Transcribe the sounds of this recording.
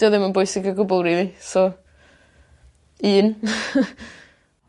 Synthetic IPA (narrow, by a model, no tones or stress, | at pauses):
ɔðɪmənbojsɪɡəɡʊbɔlˠɾiðisɔ | ɨːn